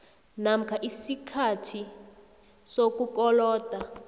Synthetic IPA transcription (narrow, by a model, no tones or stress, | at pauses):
nam̩kʰaʔisikʰatʰi | sok̬ukɔlɔːd̥ʱa